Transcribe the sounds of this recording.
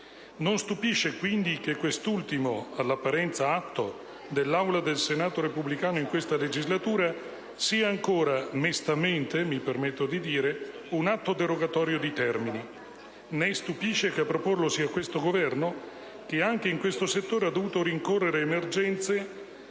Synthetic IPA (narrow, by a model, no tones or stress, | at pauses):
nonst̪upiʃːekwind̪ikekːwest̪ult̪imoalːapːaɾɛnt̪saat̪ːo̰ | d̪elːawlad̪elsenaːt̪oɾepublikaːnoiŋkwest̪aled͡ʒizlat̪uːɾa | siːaːŋkoːɾamest̪ament̪emipermet̪ːod̪id̪iːɾe | unat̪ːod̪eɾoɡat̪ɔːɾjod̪it̪ɛrmini | nest̪upiʃːekeapːɾoporlosiːakwest̪oɡovɛrno | k̟eaŋkeiŋkwest̪oset̪ːoːɾead̪ːovuːt̪oɾiŋkorːeɾeːmerd͡ʒɛnt̪se